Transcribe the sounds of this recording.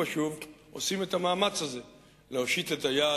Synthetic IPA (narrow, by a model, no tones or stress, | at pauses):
aʃuv | o̞sime̞t̪amaːmat͡shaze̞ | leoʃit̪etaja